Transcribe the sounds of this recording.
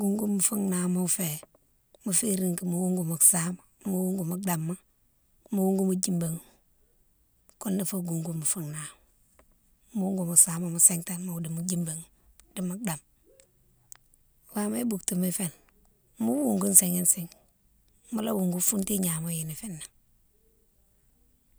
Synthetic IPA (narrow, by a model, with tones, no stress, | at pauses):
ɡu˨ŋɡu˦mu˨fu˦ŋna˨mo˦fe˨ | mu˨fe˦ɾi˨ŋki˨mu˨˦wu˦ŋɡu˨mu˨sa˦ma˨mu˦wu˦ŋɡu˨mu˨˦da˨mːa˦ | mu˦wu˦ŋɡu˦mu˦d͡ʒi˦mba˨ŋ˨ | ku˦nːa˨fo˦ɡu˨ŋɡu˦mu˨fu˦ŋna˨m˨ | mu˦wu˦ŋɡu˨mu˨sa˨˦ma˨mu˨se˦ŋta˦mu˨di˨mu˨d͡ʒi˦mba˨ŋ | di˦mu˦da˨m | wa˦me˦bu˨kti˨mi˦fe˦n | mu˦wu˦ŋɡu˦n˦se˨ŋi˦nsi˨ŋ | mu˦la˦wu˨ŋɡu˦fu˦nti˦ɲa˨mo˦ji˨ni˨fe˦nːa˨